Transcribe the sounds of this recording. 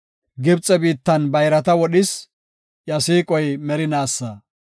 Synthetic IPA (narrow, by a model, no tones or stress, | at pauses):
ɡɪbt͡sʼɛbiːt̪ːɐnbɐjɾɐt̪ɐwɔɗɪs | jɐsiːkʼɔjmɛɾɪnaːsːɐ